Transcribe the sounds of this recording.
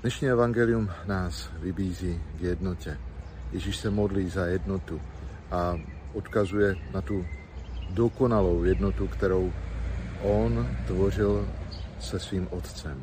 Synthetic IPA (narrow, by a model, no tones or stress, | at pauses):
d̥nɛʃɲiːɛvaŋɡɛlɪumnaːsvɪbiːziːɡjɛdno̞cɛjɛʒiʃsɛmo̞dliːzajɛdno̞t̪u | ʔaʔot̪kazujɛnat̪u | doko̞nalo̞wjɛdnot̪ukt̪ɛɾo̞wʔont̪vo̞r̝ɪlsɛsviːmʔot̪t͡sɛm